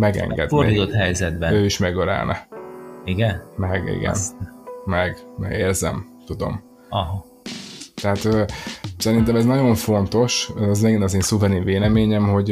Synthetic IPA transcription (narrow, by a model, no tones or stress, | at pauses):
mɛɡɛ̰ŋɡɛ̰d̪fnorid̪it̪ot̪hɛjzɛd̪bɛnøːiʃmɛɡøla̰ːlnʔɛ̰ | iɡɛnmɛɡḭɡɛ̰nmɛɡmɛ̰eːrzɛ̰m | t̪ud̪o̞̰m | ɒɦ | t̪ɛɦat̪øːsɛɾint̪̬ɛmɛznɒɟo̞ɱfo̞nt̪o̞ʃzmɛɡinɒzeːnsuvɛɾinveːlɛmeːɲɛmho̞ɟ